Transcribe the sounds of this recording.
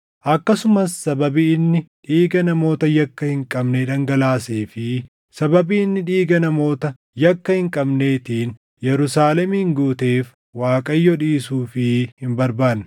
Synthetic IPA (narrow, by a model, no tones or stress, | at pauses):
ʔɐkːɐsʊmɐsːɐbɐbiːnːɪᶑiːɡɐnɐmo̞ːt̪ɐjɐkːɐhɪŋkʼɐbneᶑɐŋɡɐlaːseːfɪ | sɐbɐbiːɪnːɪᶑiːɡɐnɐmo̞ːt̪ɐ | jɐkːɐhɪŋkʼɐbne̞ːt̪iːn | jɛɾʊsaːlɛmiŋɡuːt̪e̞ːf | waːkʼɐjːɔᶑiːsuːfɪhɪmbɐɾbaːnː